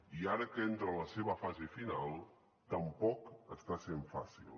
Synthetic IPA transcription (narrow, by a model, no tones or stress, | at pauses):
iaɾəkent̪ɾələseβəfazefinalˠ | t̪əmpɔkəst̪aseɱfa̰sḭlˠ